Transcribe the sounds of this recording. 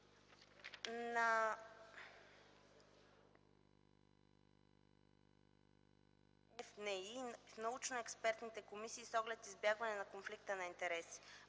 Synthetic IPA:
na | ɛfnɛifnɐut͡ʃnoɛkspɛɾt̪nit̪ɛkomisiːsɔɡlɛt̪izbjaɡvɐnɛnɐkonflik̚t̪ənɐint̪ɛɾɛsi̥

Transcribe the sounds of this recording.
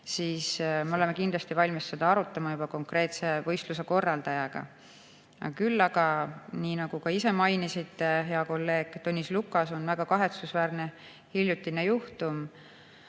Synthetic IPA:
siːsmeo̞le̞mekinlɑst̪ivɑlʲmisse̞d̪̥ɑɑɾut̪ˑːɑmɑjub̥ɑko̞ŋkre̞ːt̪se̞vɤjst̪luse̞ko̞rːɑld̪̥ɑjɑɡ̥ɑ̰ | ɑ̰kylːɑɡ̥ɑniːnɑɡ̥ukɑise̞mɑjnisit̪ːeɦe̞ɑko̞lːe̞ːɡ̥t̪onʲːislukːˑɑso̞nvæɡ̥ɑkɑɦe̞t̪susvæːrne̞ | hiljut̪ːˑinejuht̪um

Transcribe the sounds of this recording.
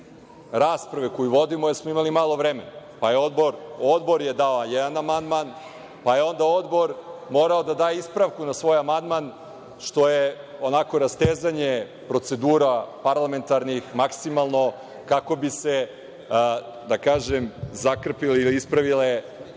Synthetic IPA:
ɾaːspɾaʋekojuʋo̞d̪imo̞jeɾsmoimalimaːlˠo̞ʋɾemenapajeo̞d̪bo̞ɾod̪bo̞ɾje̞d̪aojɛd̪anamand̪man | pajeo̞nd̪ao̞d̪bo̞ɾmo̞ɾaod̪ad̪aːjeispɾaʋkunasʋo̞ːjamand̪man | ʃt̪o̞je | onako̞ɾast̪eːzaɲe | pɾo̞t̪se̞d̪uːɾapaɾlˠame̞nt̪aɾnixmaksimalˠno̞ | kakobise | d̪akaːʒemzakr̩pileiliispɾaʋile

